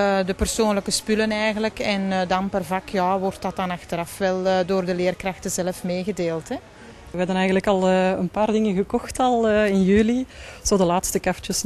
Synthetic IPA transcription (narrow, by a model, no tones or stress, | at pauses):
dəpərsoːnləkəspylənɛjɣənləkɛndɑnpərvɑkʰjaːʋɔrtɑtɑnɑxtəɾɑfʋɛlˠdoːrdəleːrkrɑxtəzɛləfmeːɣədeːlˠtɦɛ | ʋəɦɛdənɛjɣənləkɑlˠəːənpaːrdɪŋəɣəkɔxtɑlˠəːɪnjyːliz̥oːdəlaːtstəkaft͡ʃəs